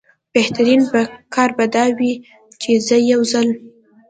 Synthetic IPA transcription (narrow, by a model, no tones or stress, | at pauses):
b̥eht̪aɾinbakɑɾbad̪ɑwi | t͡ʃezəjawzəl